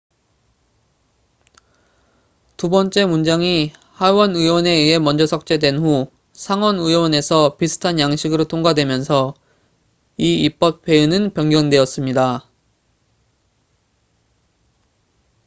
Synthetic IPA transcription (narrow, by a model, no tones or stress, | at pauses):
tubʌnt͡ɕ͈e̞mund͡ʑaŋi | hawʌnɯwʌne̞ie̞mʌnd͡ʑʌsʰʌk̚t͡ɕ͈e̞dwe̞nɸu | sʰaŋwʌnɯjwʌne̞sʰʌpisʰɯ̥tʰanjaŋɕʰiɡɯɾotʰoŋɡwadwe̞mjʌnsʰʌ | iip͈ʌp̚pʰe̞unɯnpjʌŋɡjʌŋdwe̞ʌs͈ɯmɲida